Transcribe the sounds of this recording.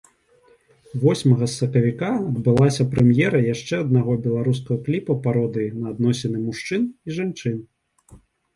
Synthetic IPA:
vɔsʲmɐɣɐsːɐkɐvʲikaɐd̪bɨlˠasʲɐpɾɛmjɛɾɐjaʂt͡ʂɛɐd̪naɣɔbʲɛlˠaɾuskɐɣɐklʲipɐpaɾɔd̪ɨnɐːd̪nɔsʲɛnɨmuʂt͡ʂɨniʐant͡ʂɨn

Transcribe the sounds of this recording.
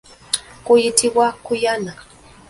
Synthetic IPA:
kʊjɪt̪iwakʊjana

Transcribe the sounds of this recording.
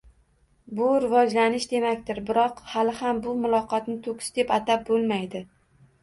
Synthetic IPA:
bʊɾɪvɒd͡ʒlanɪʃd̪e̞makʲt̪ɪɾbɪɾɒqhalɪhambʊmʊlˠɒqʰɒt̪nɪt̪ʰokʲʰɪ̥sd̪e̞pat̪ʰap̚bolˠmajd̪ɪ

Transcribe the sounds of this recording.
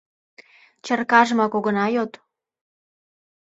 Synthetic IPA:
t͡ɕə̆rkɑʒmɑkoɣə̆nɑjot̪

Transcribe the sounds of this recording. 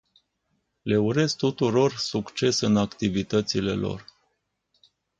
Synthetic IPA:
le̞uɾe̞s̚t̪ut̪uɾo̞rsukt͡ʃe̞sɨnakt̪ivit̪ət̪sile̞lo̞̰r

